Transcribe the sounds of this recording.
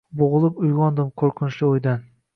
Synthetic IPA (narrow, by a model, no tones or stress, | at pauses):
boʁɨlˠɪpʊjʁɑnd̪ɪmkʰoɾqʰɪnt͡ʃlɪojd̪an